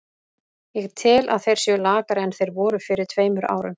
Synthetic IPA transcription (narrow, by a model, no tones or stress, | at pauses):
jɛɣt̪ʰɪla̰ðθejɾ̥sjɛlaːkaɾɪɛnθejɾvɔːɾʏfɪɾɪɾ̥t̪ʰveːjmʏɾa̰ːwɾʏn